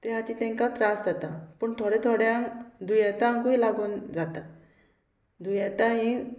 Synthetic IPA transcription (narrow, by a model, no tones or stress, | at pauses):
t̪eɦat̪it̪ɛ̃ŋkat̪ɾasd͡zat̪apəɳt̪ʰoɽet̪ʰoɽjãŋd̪ujɛt̪ãŋkuilaɡuːnd͡zat̪a | d̪ʱujet̪aɦĩ